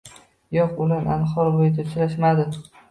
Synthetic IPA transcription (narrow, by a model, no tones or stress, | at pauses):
jɒqʊlana̰nχɒɾbojt̪ʰat͡ʃʰɾaʃmad̪ɪ